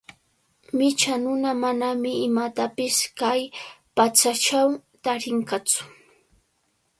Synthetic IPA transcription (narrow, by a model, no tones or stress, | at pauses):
mɪt͡ʃanʊnamanamɪɪmat̪apɪskajpat͡sat͡ʃawt̪aɾɪŋkat͡sʊ̥